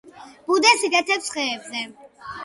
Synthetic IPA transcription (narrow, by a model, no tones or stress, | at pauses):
b̥ud̪ɛsiɡ̪ɛt̪ʰɛpsχɛːbzɛ